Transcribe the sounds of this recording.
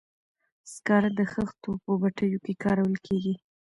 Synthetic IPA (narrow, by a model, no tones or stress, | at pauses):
skɑɾad̪əxəxt̪opəbaʈəjokekɑɾawəlkʰeɡi